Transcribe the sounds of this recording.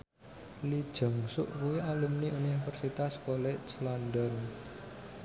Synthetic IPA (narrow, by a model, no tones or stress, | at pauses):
lid̥ʒ̥ə̤ŋsʊ̰ʔkuiʔaləmniunifərsit̪askoleslandɔn